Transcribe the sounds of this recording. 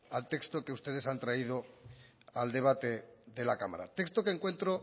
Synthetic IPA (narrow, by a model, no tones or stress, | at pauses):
alt̪e̞kst̪oke̞ust̪e̞ð̞e̞sant̪ɾaið̞o | ald̪e̞β̞at̪eðe̞lakama̰ɾa̰t̪ekst̪okeŋkwe̞nt̪ɾo